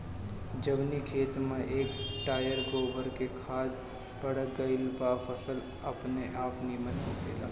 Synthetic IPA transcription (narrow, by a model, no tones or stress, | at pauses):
d͡ʒɐbnikʰeːt̪mẽʔeːkʈaːjəɾɡoːbəɾkekʰaːd̪ | pɐɽəɡɐɪlbaːfəsəl | ɐpneʔaːpnimɐt̪kokʰeːla̰ː